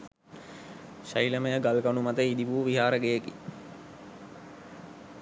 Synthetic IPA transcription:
ɕailəməjəɡalɡanumat̪əid̪ibuːʋiɦaːɾəɡejəki

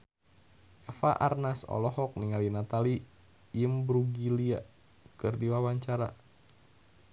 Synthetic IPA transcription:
ɛfa̰ʔa̰rnasɔ̰lɔɦɔk̚niŋalinat̪ali | jəmbɾuɡilia | kɨrdiwawaɲt͡ʃaɾa̰

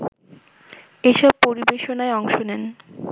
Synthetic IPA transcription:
eʃɔb̚poɾibeʃonaeɔŋʃonɛn

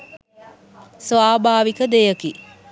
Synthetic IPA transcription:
sʋaːbaːʋikəd̪ejəki

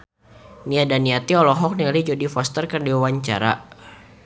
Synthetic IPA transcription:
niadaniat̪iɔlɔɦɔk̚nilid͡ʒodifɔst̪ərkərdiwaɲt͡ʃa̰ɾa̰

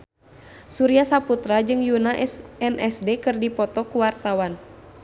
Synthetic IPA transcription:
suɾiasaput̪ɾad͡ʒɨŋjunaʔɛnʔɛsdɛkɨrdipɔt̪ɔkuwart̪awan

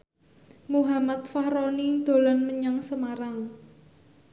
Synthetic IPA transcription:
muɦamat̪̚fahɾɔnid̪̥o̤lɔnməɲaŋsəmaɾaŋ

